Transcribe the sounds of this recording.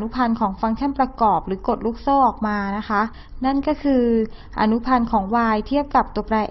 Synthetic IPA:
nu˦˥pʰa˧nkʰɔː˩˦ŋfa˧ŋt͡ɕʰa˥˩npɾa˧kɔː˨˩p̚ɾɯː˩˦ko˨˩t̪̚ɾuː˦˥k̚sɔː˥˩ʔɔː˨˩k̚maː˧na˦˥kʰa˦˥ | na˥˩nkɔː˥˩kʰɯː˧ | ʔa̰˧nu˦˥pʰa˧nkʰɔː˩˦ŋwaː˧jt̪ʰi˥˩əp̚ka˨˩p̚t̪u˧ɐpɾaː˧ʔ

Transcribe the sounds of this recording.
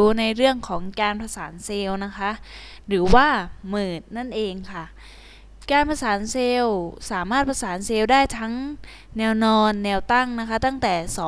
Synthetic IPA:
uː˧na˧jɾɯ˥˩əŋkʰɔː˩˦ŋkaː˧npʰa˧saː˩˦nseː˧wna˦˥kʰa˦˥ʔ | ɾɯː˩˦waː˥˩mɯː˨˩t̪̚na˥˩nʔeː˧ŋkʰa˥˩ | kaː˧npʰa˧saː˩˦nseː˧wsaː˩˦maː˥˩t̪̚pʰa˧saː˩˦nseː˧wdaː˥˩jt̪ʰa˦˥ŋ | nɛː˧wnɔː˧nːɛː˧wt̪a˥˩ŋna˦˥kʰa˦˥t̪a˥˩ŋt̪ɛː˨˩sɔː˨˦

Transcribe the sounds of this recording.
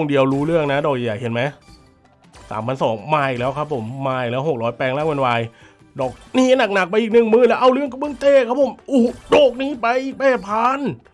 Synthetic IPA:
ŋdi˧əwɾuː˦˥ɾɯ˥˩əŋna˦˥dɔː˨˩k̚jaː˨˩jaː˨˩k̚he˩˦nma˦˥j | sa̰ː˩˦mpʰa˧nsɔː˩˦ŋmaː˧jlɛː˦˥wkʰa˦˥pʰːo˩˦mːaː˧˩jlɛː˦˥wɦo˨˩k̚ɾɔː˦˥jpɛː˧ŋlaː˥˩ŋwe˧nwaː˧j | dɔː˨˩k̚niː˦˧˥na˨˩k̚na˨˩k̚pa˧jʔiː˨˩k̚nɯ˨˩ŋmɯː˧˥˩lɛː˦˥wʔa˧wɾɯ˥˩əŋka˧pmɯ˧˥˩ŋt̪eː˧˩kʰa˦˥pʰo˨˩˦mʔuː˧˩dɔː˨˩k̚niː˦˥pa˧jʔiː˨˩k̚pɛː˧˩t̪̚pʰaː˧˥n

